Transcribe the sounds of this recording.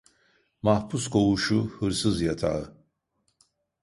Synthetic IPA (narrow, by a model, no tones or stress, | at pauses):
mahpuskʰo̞wuʃuhɯɾsɯzjat̪ʰa̰ɯ